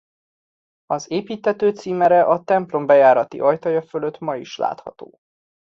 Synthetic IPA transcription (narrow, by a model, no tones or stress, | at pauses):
ɒzeːpiːt̪hɛt̪øːt̪siːmɛɾɛʔɒt̪ɛmplo̞mbɛjaːɾɒt̪ḭʔɒjt̪ɒjɒføløt̪mɒiʃla̰ːt̪hɒ̰t̪o̰ː